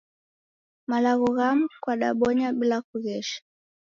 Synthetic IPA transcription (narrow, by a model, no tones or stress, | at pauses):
malaɣɔɣamukwaɗa̰ɓɔɲaɓilakuɣɛʃḁ